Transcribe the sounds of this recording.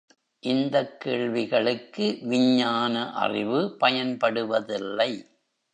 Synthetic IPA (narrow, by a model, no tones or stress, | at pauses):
ʔɪnd̪ɐkːeːɭʋɪɣɐɭɯkːɯʋɪɲːaːnɐʔɐ̰rɪ̰ʋɯpɐjɐnpɐɽɯʋɐðɪlːɐɪ